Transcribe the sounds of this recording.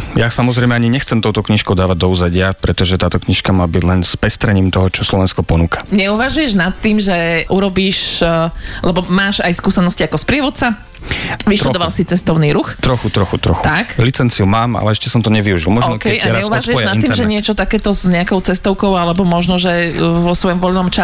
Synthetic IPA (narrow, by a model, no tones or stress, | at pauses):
jasamɔzɾɛɪmɛaɲiɲɛxt͡sɛmt̪ɔʊt̪ɔkɲiʃkɔʊd̪aːʋaɟ̚d̪ɔuzaɟɪapɾɛt̪ɔʒɛt̪aːt̪ɔkɲiʃkamaːbiɟlɛnspɛst̪ɾɛɲiːmt̪ɔɦɔt͡ʃɔslɔʋɛnskɔpɔnuːkḁɲɛuʋaʒujɛʒnat̪ːiːmʒɛʔuɾɔbiːʃ | lɛbɔmaːʒajskuːsɛnɔsciakɔspɾɪɛʋɔt̪̚t͡sa | ʋiʃtɾɛd̪ɔʋalsit͡sɛst̪ɔʊniːɾuxt̪ɾɔxut̪ɾɔxut̪ɾɔxut̪aklit͡sɛnt͡siumaːmʔa̰lɛɛʃcɛsɔmt̪ɔɲɛʋiuʒilmɔʒnɔkɛjʔaɾɲɛuʋʒujɛʒjnatnːimʒɛɲɪɛt͡ʃɔt̪akɛːt̪ɔzɲɛakɔʊt͡sɛst̪ɔʊkɔʊalɛbɔmɔʒnɔʒɛʋɔsʋɔjɔmʋɔʎnɔmt͡ʃa